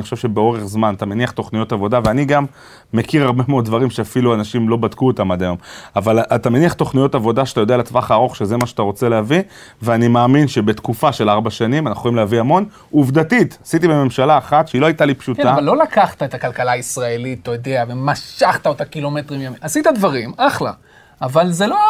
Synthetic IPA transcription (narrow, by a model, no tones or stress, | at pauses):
nixoʃevʃe̞beo̞ʁeχzmanat̪ameniaχt̪o̞χnijo̞tavo̞daveaniɡamː | e̞kiʁaʁbemeod̪̚d̪vaʁimʃeafiluanaʃimlo̞badkuot̪amadajo̞mavalatame̞niaχto̞χnijo̞tavo̞daʃeat̪ajo̞dealet͡svaχaːʁo̞χʃezemaʃeat̪aʁo̞t͡se̞leavi | veanimaːminʃe̞be̞t̪kufaʃe̞laʁbaʃanimanaχuoimlehaviamo̞n | uvdatitasit̪̬ibeme̞mʃalaːχatʃeiloajt̪alipʃutavalːo̞lakaχt̪aet̪akalkalaisʁaelitlojodeavemaʃaχt̪aot̪akilometʁimjamimasit̪advaʁimaχla̰ | avalzelo